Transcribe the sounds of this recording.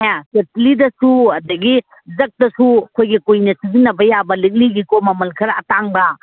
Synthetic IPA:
asetlidɐsuɐdɐɡi | zɐk̚tɐsuɐkʰojɡikujnɐsizinːɐbɐjabɐlik̚liɡikomɐmɐlkʰɐɾɐɐtaŋbɐ

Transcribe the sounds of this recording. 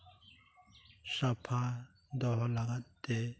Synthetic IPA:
sapʰã | d̪ɔɦlaɡat̪ːe

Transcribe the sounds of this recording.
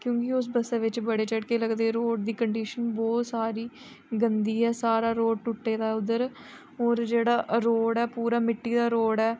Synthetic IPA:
kjõːkɪʊsbəseːʋɪt͡ʃbəɽeːt͡ʃəɽkeːləɡd̪eːɾoːɖd̪iːkəɳɖiːʃənbɔːt̪saːɾiː | ɡənd̪iːɛːsaːɾaːɾoːɖ̚ʈʊʈːeːd̪aːʊd̪ːəɾ | ɔːɾd͡ʒeːɽaːɾoːɽɛːpuːɾaːmɪʈːiːd̪aːɾoːɽɛː

